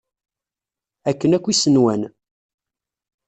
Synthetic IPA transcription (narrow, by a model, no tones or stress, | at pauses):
ækːənækʷːisənwæn